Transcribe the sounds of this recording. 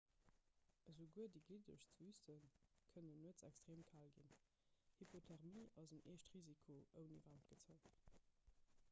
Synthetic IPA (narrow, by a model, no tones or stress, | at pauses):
əzəɡuədiɡidəʃt͡səysənkʰənənuət͡sækstʁeːmkʰaːlɡḭn | hipʰotʰɛʁmiːʔɑzəneːʃtʁizikʰoʔəʊnḭvant̚ɡ̥ət͡səɪt